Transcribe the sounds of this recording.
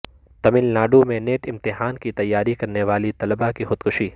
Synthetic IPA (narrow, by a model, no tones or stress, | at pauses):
t̪ɐmɪlnaːɖomẽneːʈɪmt̪ɪɦaːnkit̪ɐjːaːɾikɐɾneʋaːlit̪ɐləbakixʊd̪̥kʊʃiː